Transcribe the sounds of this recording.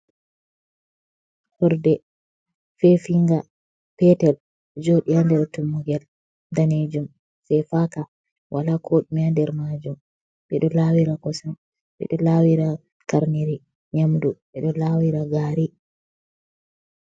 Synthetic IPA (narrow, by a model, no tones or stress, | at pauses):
hɔɾdɛ | fɛfiŋɡa | pɛtɛl | d͡ʒoɗijandɛɾtumːuɡɛl | daned͡ʒum | sɛjfaka | wʔalakʰoɗimandɛɾmad͡ʒum | ɓɛɗɔlawiɾakɔsam | ɓɛ̰ɗɔlawiɾa | kaɾniɾi | ɲamduɓɛɗɔlaːwiɾaɡaɾi